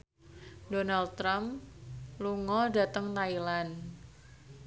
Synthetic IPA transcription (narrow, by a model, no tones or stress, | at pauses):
donald̚t̪ːɾam | luŋɔda̤t̪əŋt̪ailan